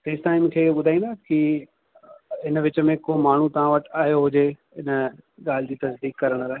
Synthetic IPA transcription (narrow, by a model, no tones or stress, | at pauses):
peːsʈaːɪmkʰeːɓʊd̪ʱaːĩnd̪aːki | ɪnʋɪt͡ɕmẽkomaːɳ̤ũt̪ɐʋ̤ãʋɐʈaːjoɦʊd͡ʒe | ɪnɠaːld͡ʑiːt̪ɐsd̪iːkːɐɾəɽ̃ɾaɦe